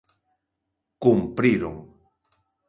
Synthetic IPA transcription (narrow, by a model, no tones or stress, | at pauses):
kumpɾiɾʊŋ